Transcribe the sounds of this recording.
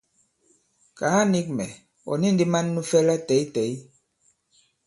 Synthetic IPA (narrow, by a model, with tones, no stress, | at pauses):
ka˨˦a˦ni˦k̚mɛ˨ | ɔ̰˨ni˦n˦di˦ma˦nːu˦fɛ˦la˦tɛ˨˦i˦tɛ˨˦j